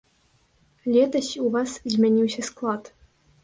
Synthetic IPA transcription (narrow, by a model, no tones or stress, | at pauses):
lʲɛt̪ɐɕʲuvɑszʲmʲɛnʲiwsʲɐsklˠɑt̪